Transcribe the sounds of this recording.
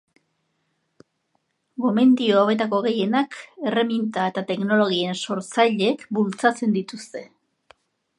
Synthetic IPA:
ɡo̞me̞nd̪ioaβe̞t̪ako̞ɣe̞je̞nake̞re̞mint̪ae̞t̪at̪e̞kno̞lo̞ɣie̞nso̞ɾt͡sajʎekbult͡sat͡se̞nd̪it̪ust̪e̞

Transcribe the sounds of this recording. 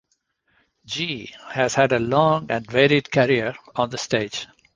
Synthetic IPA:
d͡ʒiːhæz̥hæɖəlɔ̃ːŋæ̃nɖʋeːɾɪɖkʰəɾiəɾɔ̃nd̪əsʈeːd͡ʒ

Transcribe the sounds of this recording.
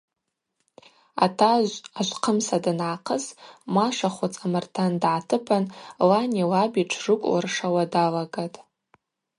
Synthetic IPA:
a̰tʰaʒʷaʒʷqʰəmsadanʕaqʰəsmaʂaχʷʊt͡sʼamartʰandʕatʰɨpʰanlaniwabiʈ͡ʂʰrɨkʷʼwa̰rʂawadalaɡatʼ

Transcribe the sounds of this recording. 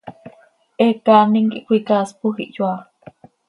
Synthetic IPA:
ʔekaniŋkiʔkʷikaspuhiʔjua

